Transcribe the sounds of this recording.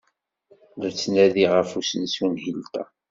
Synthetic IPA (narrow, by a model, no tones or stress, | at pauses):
ðæt͡sːnæðiʁəfusənsunhilt̪æ̰